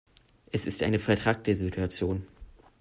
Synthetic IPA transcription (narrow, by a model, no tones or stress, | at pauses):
ʔɛsɪstʔa̰ɪnəfɛɐtʁ̥ak̚təzitʰuat͡sjoːn